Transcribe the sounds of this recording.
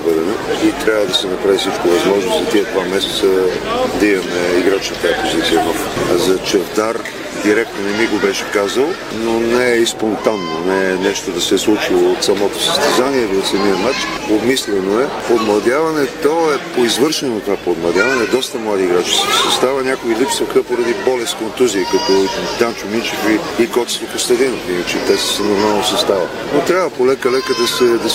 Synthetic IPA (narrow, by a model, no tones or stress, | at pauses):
bɛd̪ɛnoit̪ɾʲavəd̪ɐsɛnɐpɾavisit͡ʃkovɐzmɔʒnozzɐt̪iɛd̪vamɛsɛ̥t̪səd̪ɐimɐmɛiɡɾat͡ʃnɐt̪aɛpozit̪sijənɔfzɐt͡ʃɛvd̪aɾ | d̪iɾɛk̚t̪nonɛmiɡobɛʃɛ̥kazəlˠ | nonɛspont̪anːonɛnɛʃt̪od̪ɐsɛslˠut͡ʃilˠoot̪sɐmɔt̪osə̥st̪ɛzaniɛliot̪sɐmijɐmat͡ʃobmislɛnoɛpod̪mlˠɐd̪ʲavɐnɛt̪ɔɛpoizvɤɾʃɛnot̪ovapod̪mlˠɐd̪ʲavɐnɛd̪ɔst̪ɐmlˠad̪iɡɾat͡ʃiskisɐst̪avɐnʲakoilipsɐxəpoɾɐd̪ibɔlɛskont̪uziəkɐt̪ɔt̪ʲant͡ʃʊmint͡ʃifiikɔt̪i̥st̪oposlɛd̪ɛnofinɐt͡ʃɛt̪ɛsi̥sɛnoɾmalˠnosɐst̪avɐ | not̪ɾʲavəpolɛkəlɛkəd̪ɐsɛd̪ɐ